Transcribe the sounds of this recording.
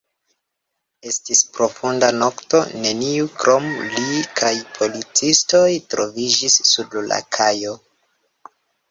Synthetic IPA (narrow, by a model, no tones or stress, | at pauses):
e̞stispɾo̞fundano̞kto̞ne̞niukɾʔomlikʰajpʰo̞lit͡sisto̞jtɾovid͡ʒisːudla̰kʰajo̞